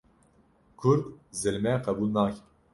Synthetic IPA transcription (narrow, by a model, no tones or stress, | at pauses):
kʰuɾd̪zɨlmɛqʰɛbuːlnɑːk